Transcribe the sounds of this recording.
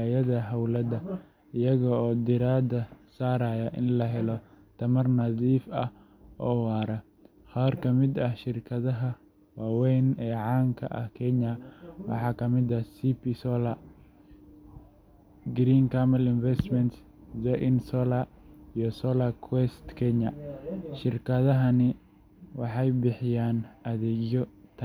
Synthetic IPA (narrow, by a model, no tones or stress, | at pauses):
ajɐðɐɦɐwlɐdɐ | ɪjɐɣɔɔːd̪ɪɾaːd̪ɐsaːɾaːjɐʔɪ̰nlɐɦɛlɔ | t̪ʰɐmɐrnɐðiːfɐh | ʔɔːwɑːɾɐ | qaːrkʰɐmɪd̪ɐhʃɪrkʰɐðɐɦɐ | wɑːwɛjnɛːʕɑːŋkʰɐ̰ʔɐ̰hkʰɛɲɐwɑ̰ħɑːkʰɐmɪd̪ɐsipisɔːla | ɡɾiːŋkʰamɐlɪnfɛst̪mɛnt̪s | zɛʔɪnsɔːlaijɔsɔːlakʰwɛst̪kʰɛɲɐʃɪrkʰɐðɐɦɐnɪ | wɑħɑjbɪħɪjaːnɐðɛːɡjɔt̪ʰɐ